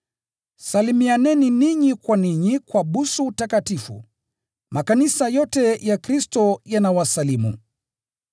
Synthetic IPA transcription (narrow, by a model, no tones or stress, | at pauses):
salimianɛniniɲikwaniɲikwaɓusuutakatifṵ | makanisajɔtɛjakɾistɔjanawasalimṵ